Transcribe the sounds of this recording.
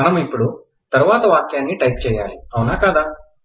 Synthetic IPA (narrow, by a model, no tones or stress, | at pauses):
aɳ̃ɐmipɽu | t̪əɾʋat̪ʋaːkjanːiːʈajp̚t͡ɕeja̰liawnakad̪a